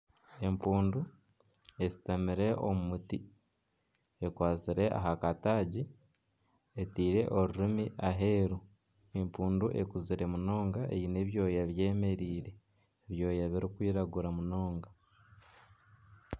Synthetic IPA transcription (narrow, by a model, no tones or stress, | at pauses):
e̞mpuːndu | e̞si̥tamiɾe̞ʔo̞̰mumuti | ekwaːt͡siɾe̞ʔa̰ɦakataːɟi | etiːɾe̞ʔo̞ɾuɾimiʔaɦeːɾu | empuːnduʔe̞̰kuziɾe̞muno̞ːŋɡae̞̰jine̞βjo̞ːjaβje̞ːme̞ɾiːɾe̞ː | βjo̞ːjaβiɾikwiːɾaɡuɾamuno̞ːŋɡa